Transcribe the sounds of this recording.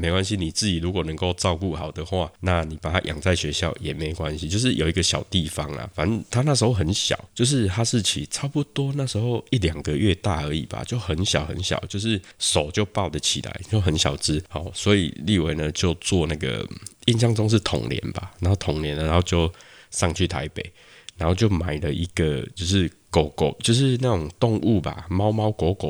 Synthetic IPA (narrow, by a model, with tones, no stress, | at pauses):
me˧˥ɪkwa˦nɕ̬i˦ni˨˩t͡sɹ̩˥˩t͡ɕi˨˩lu˧˥kwɔ˨˩nə˧˦ŋko˥˧ʊt͡sɑ˥˧ʊku˥˩hɑ˨˩ʊd̪ə˩xwa˥˧na˥˨ni˨˩pa˨˩t̪ʰa˦˥ʔjɑ̰˨˩ŋt͡sa˥˩ɪɕɥɛ˧˦ɕjɑ̰˥˩ʊjɛ˨˩me˧˥ɪkwa˦nɕi˧˦t͡ɕjo˥˧ʂ̬ɻ̩˥˩jo˨˩ʊi˧˦˥ɡə˧ɕjɑ̰˨˩ʊt̪i˥˩fɑ˧˦ŋla̰˨fa˨˦nt̪ʰa˦˥na˥˩ʂ̬̩˧˥xo˥˩ʊxə˧˦nɕjɑ̰˨˩˦ʊt͡ɕjo˥˧ʊʂ̬ɻ̩˥˧t̪ʰa˥ʂ̩˥˨t͡ɕʰḭ˨˩ʈ͡ʂʰa˥pu˦t̪wɔ˥na˥˩ʂ̩˧˥xo˥˧ʊi˥˩ljɑ˨˩ŋɡə˨˦ɥɛ˥˧t̪a˥˩ə˧˦ḭ˨˩b̥a̰˩t͡ɕjo˥˩ʊxə˨˦nɕjɑ˨˩ʊxə̰˧˦nɕjɑ̰˨˩ʊt͡ɕjo˥˧ʊʂɻ̩˥˩so˨˩ʊt͡ɕjo˥˧ʊpɑ˥˩ʊd̪ə˨˩t͡ɕʰi˨˩la̰˧˦ɪjɦə˧˦nɕjɑ˨˩ʊt͡sɻ̩˦hɔ˨˩swɔ˧˦˥ḭ˨li˥˨we˧ɪnə˨t͡ɕjo˥˧ʊt͡swɔ˥˧na˥˩ɡə̰˩i˥˧nɕja˥˧ŋt͡so˥˦ŋʂ̬ɻ̩˥˩t̪ʰʊ̰˨˩ŋljɛ̰˧˦nba̰˨na˧˦nho˥˩ʊt̪ʰo˨˩ŋljɛ˧˦n˨a˧no˥˧t͡ɕjo˥˧ʊsɑ˥˧ŋt͡ɕʰy˥˩t̪ʰa̰˧˥ɪpḛ˨˩ɪ | na˨˦nho˥˧ʊt͡ɕjo˥˩ʊma˨˩ɪlə˨ʔi˦˥ɡ̥ə˨t͡ɕjo˥˧ʊʂɻ̩˥˩ | ko˨˩˦ko˨˩t͡ɕjo˥˧ʊʂ̬ɻ̩˥˧na˥˩ʈ͡ʂʊ˨˩ŋt̪o˥˧ŋʔu˥˨˩ba̰˩mɑ˦ʊmɑ˥ʊkwɔ˧˥˦kɔ̰˨˩